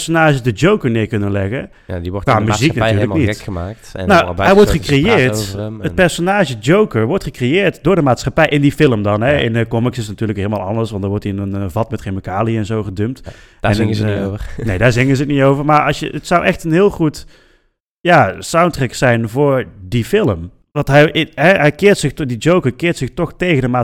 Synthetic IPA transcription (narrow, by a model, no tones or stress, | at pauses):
sonaːʒəzdəd͡ʒowkəɹnɪːɹkɵnənlɛɣə | a̰diʋɔamyziknatyːɹlənitəmaːk̚tnnawɦɛjʋɔɹtχəkrejɪːɹtəpɛɹsonaːʒəd͡ʒowkəɹʋɔɹtχəkrejɪːɹtdʊːɹdəmaːtsχapɛjʔɪndifɪlˠəmdɑnɦɛɪ̰ndəkɔmɪksɪsnatyːɹləkɦɪːlˠəma̰ːlˠɑ̰ndəɹsʋɑntdaːɹʋɔɹtiɪnənvɑtmɛtreməkaːliɛnzowχədømt | dɛnŋ | nejdaːɹzɪŋənzətnitowvəɹmaːɹɑsʃjə̰ətsʌwʔɛxtənɦɪːlˠχut | jaːsawntrɛksɛjnvʊːɹdifɪləm | ʋɑntɦɛjɦɛɦɛjkɪːrtsɪxdid͡ʒowkəɹkɪːrtsɪxtɔχtejɣəndəmaː